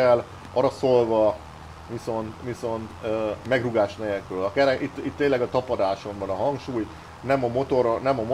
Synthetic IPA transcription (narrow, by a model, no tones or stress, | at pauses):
ɛl | ɒɾɒsolvɒ | ʋiso̞nt̪ʋiso̞nt̪ømɛɡruɡaːʃnɛɛkrølɒkɛɾɛit̪ːit̪ːeːnlɛɡɒt̪ɒpɒd̪aːʃo̞mbɒnɒɦɒŋkʃuːj | nɛmɒmo̞t̪oɾonɛmɒmo